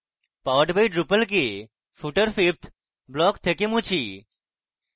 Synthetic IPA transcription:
paːʋəʈbɐiɖɾupəlk̬e | fuʈəɾfipt̪ʰ | blɔːkt̪ʰekemũt͡ɕʰiː

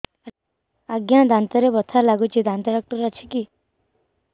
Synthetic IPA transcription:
aɡjãd̪ʱant̪ɔɾebɔt̪ʰalaɡut͡ʃʰid̪ʱãnt̪ɔɖak̚ʈəɾat͡ʃʰiki

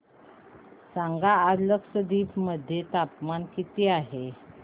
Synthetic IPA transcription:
saŋɡaːd͡zləksəd̪iːpməd̪ʱːjet̪apmankit̪iaɦe

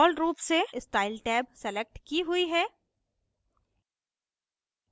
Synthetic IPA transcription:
lɾuːpseɪsʈaːɪlʈɛːbsɛlek̚ʈkiɦʊiɦɛː

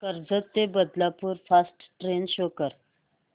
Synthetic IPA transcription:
kəɾd͡zət̪ːebəd̪lapuːɾfasʈʈɾenɕokəɾ

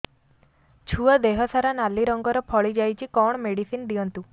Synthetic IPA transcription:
t͡ʃʰuɔd̪eɦɔsaɾanaliɾɔŋɡɔɾɔpʰɔɭid͡ʒajt͡ʃʰikɔɳ̃meɽisind̪iɔnt̪u

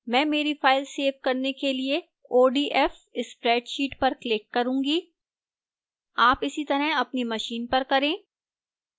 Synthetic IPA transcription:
mɛ̃ːmeːɾifaːɪlseːʋkɐɾnekelie | oːɖiːʔɛf | ɪspɾɛːʈʃiːʈpɐɾklɪkːɐɾũːɡiː | aːpɪsit̪ɐɾəɦɐpnimɐʃiːnpɐɾkɐɾẽː

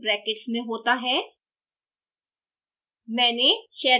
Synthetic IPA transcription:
bɾɛːkɪʈsmẽɦoːt̪aɦɛː | mɛ̃ːneʃɛː

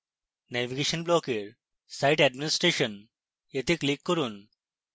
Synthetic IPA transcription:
næʋiɡeɕənblokeɾ | sajʈɛɖminisʈɾeɕən | jet̪iklikːəɾuːn

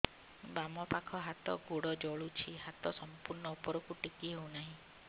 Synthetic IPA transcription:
bamɔpakʰɔɦat̪ɔɡoɽɔd͡ʒɔɭut͡ʃʰiɦat̪ɔsɔmpuɾɳɔupɔɾɔkuʈikiɦew̃naɦĩ

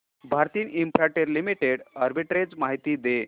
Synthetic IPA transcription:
bʱaɾt̪iːnimpɾaʈeɾlimiʈeɽəɾbiʈɾed͡zmaɦit̪iːd̪e

